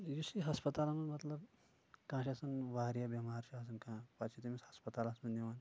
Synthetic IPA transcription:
jusiɦɐspɐt̪aːlamɐnmɐt̪lɐb | kãːʃiɐsɐnʋaːɾijabɐmaɾʃias̬ɐnkãpat͡ʃʰit̪imishɐspɐt̪alasmɐnniʋan

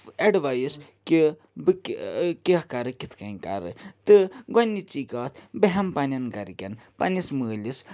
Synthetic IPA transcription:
ɐɖʋɐjiski | bɨkkihkɐɾɨkit̪ʰkɐika̰ɾɨ̰t̪ɨɡɔnʲːit͡ʃiːkaːt̪ʰbeɦɐmpɐnʲɐnɡɐɾkʲɐnpɐ̰nisməːlis

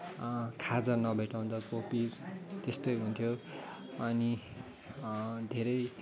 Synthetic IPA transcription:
kʰad͡zʌnʌbʱeʈaw̃nt͡sʌkopit̪est̪ojɦunt̪ʰjo | ʌni | d̪ʱeɾʌj

